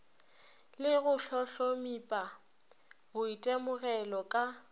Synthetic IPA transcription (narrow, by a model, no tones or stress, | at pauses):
lɪɣʊɬɔɬomipʼa | ɣʊitʼɛmʊɣɛlɔkʼa